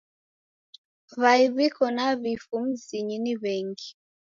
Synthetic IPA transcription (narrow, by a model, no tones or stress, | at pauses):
βaiβikɔnaβifum̩ziɲiniβɛŋɡi